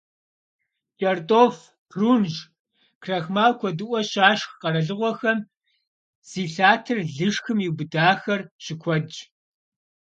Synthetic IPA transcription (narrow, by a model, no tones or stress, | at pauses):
t͡ʃʼɐrtʼoːf | tʰruːnʒ | kʰrɐxmaːwkʷʰɔdɨʔʷɔɕaːʃxqɐɾɐɮɨʁʷɔxɐm | z̥iːɬaːtʰɨrɮɨʂxɨmiwbɨdaːxɐrɕɪkʷʰɔd͡ʒ